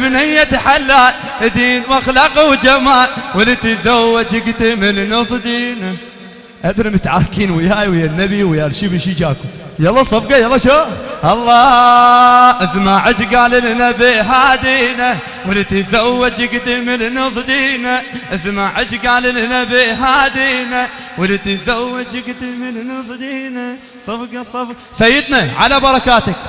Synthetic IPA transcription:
bnɪjːat̪aħalːaːl | d̪iːnwaxlɑːqawd͡ʒamaːlwɪlit̪izawːad͡ʒjɪɡt̪imɪlnʊsˤd̪iːna | ʔad̪ɾmʊt̪ʕaɾkiːnwɪjaːjwɪjanːabiwɪjɑɾˤʃibɪʃid͡ʒaːkʊjɑlˤːɑsˤɑbɡɑjɑlˤːɑʃoːxʔɑlˤːɑː | ʔɪðmaʕɪd͡ʒɡaːlɪlnabɪɦaːd̪ina | wɪlɪt̪izawːɪd͡ʒjɪɡt̪imɪnnazˤd̪iːnaʔɪðmaʕɪd͡ʒɡaːlɪlnabɪɦaːd̪ina | wɪlɪt̪izawːɪd͡ʒɪɡt̪imɪnnazˤd̪ina | sˤɑfɡɑsˤɑfɡ | sajːɪd̪naʕalabɑɾˤɑkaːt̪ak̚

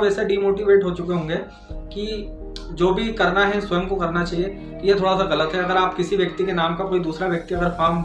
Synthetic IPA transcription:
pɛːseɖiːmoːʈiʋeːʈɦot͡ʃʊkeɦõːŋɡeː | ki | d͡ʒoːbʱikɐɾnaɦɛswɐjəmkokɐɾnat͡ʃaːɦie | jet̪ʰoːɽasaɣɐlət̪ɦɛɐɡəɾaːpkɪsiʋjɐk̚t̪ikenaːmkakoːid̪uːsɾaʋjɐk̚t̪iɐɡəɾfaːɾm

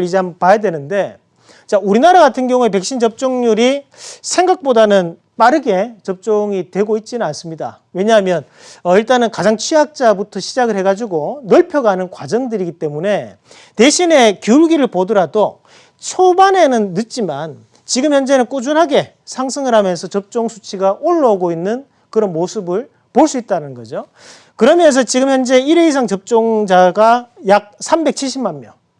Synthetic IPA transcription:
ɭid͡ʑampajadwe̞nɯnde̞ | t͡ɕauɾinaɾaɡatʰɯnɡjʌŋue̞pe̞k̚ɕ͈ind͡ʑʌp̚t͡ɕ͈oŋɲuɾisʰe̞ŋɡak̚p͈odanɯn | p͈aɾɯɡe̞t͡ɕʌp̚t͡ɕ͈oŋitwe̞ɡoit̚t͡ɕ͈inɯnans͈ɯmɲida̰ | we̞ɲaɦamjʌn | ʌiɭt͈anɯnkad͡ʑaŋt͡ɕʰɥiak̚t͡ɕ͈abutʰʌɕʰid͡ʑaɡɯɭhe̞ɡad͡ʑiɡonʌɭpʰjoɡaanɯnkwad͡ʑʌŋdɯɾiɡit͈e̞mune̞ | te̞ɕʰine̞kjuɭɡiɾɯɭpodʌɾado | t͡ɕʰobane̞nɯnːɯt̚t͡ɕ͈iman | t͡ɕiɡɯmhjʌnd͡ʑe̞nɯnk͈ud͡ʑunɦaɡe̞ | sʰaŋsʰɯŋɯɾɦamjʌnsʰʌt͡ɕʌp̚t͡ɕ͈oŋsʰut͡ɕʰiɡaʔoɭːʌɡoinːɯn | kɯɾʌnmosʰɯbɯɭ | poɭs͈uit̚t͈anɯnɡʌd͡ʑo | kɯɾʌmjʌns̬ʰʌt͡ɕiɡɯmçjʌnd͡ʑe̞iɾe̞is̬ʰaŋt͡ɕʌp̚t͡ɕ͈oŋd͡ʑaɡajak̚sʰambe̞k̚t͡ɕʰiɭɕ͈ʰimanmjʌn

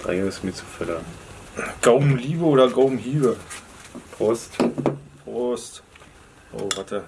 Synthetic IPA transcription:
d̥ʁa̰ɪoɪsmit͡sufɛlɐ | ɡ̥aʊm̩liːvəoːɾɐɡaʊm̩ɦiːbə | fʁɔstfʁost | ʔo̰ːvaɐtə

